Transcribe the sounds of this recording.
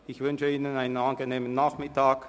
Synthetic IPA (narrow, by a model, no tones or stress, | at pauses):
ɪçvʏnʃəiːnənaɪnənanɡəneːmənːaːχmɪtʰaːk